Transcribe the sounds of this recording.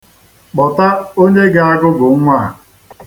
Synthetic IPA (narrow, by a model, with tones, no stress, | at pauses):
k͡pɔ˨ta˦o˦ɲe˦ɡɪ˨˦a˦ɡʊ˦ɡʊ˨ŋ̩˦ŋʷa˦˨